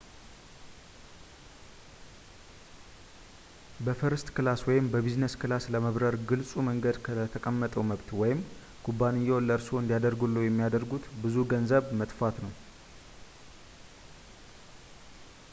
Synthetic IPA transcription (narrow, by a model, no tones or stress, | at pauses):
bəfɨɾɨst̪kɨlaswɔjɪmbəbiznəskɨlasləməβɾəɾɡɨlsʼuməŋɡəd̪kʰət̪ʰəkʼəmːət̪ʼəwməβt̪wɔjɪm | kʰubːanijɛwlːəɾsoɨnd̪ijad̪əɾɡulːujɛmːijad̪əɾɡut̪bɨzuɡənzəβmət̪fat̪nəw